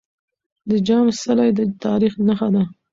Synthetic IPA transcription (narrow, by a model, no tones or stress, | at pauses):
d̪əd͡ʒɑmsalajd̪ət̪ɑɾixnaxad̪a